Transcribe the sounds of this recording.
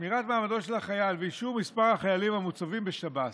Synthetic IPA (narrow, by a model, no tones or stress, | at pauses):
miʁat̪maːmado̞tʃe̞laχajalveiʃuvmispaʁhaχajalimhamut͡savimbeʃabat